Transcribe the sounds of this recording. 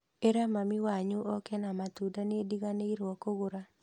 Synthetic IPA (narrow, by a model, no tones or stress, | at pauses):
eɾamamiwaɲuʔɔkɛnamat̪udanediɣaneiɾɔkoɣoɾa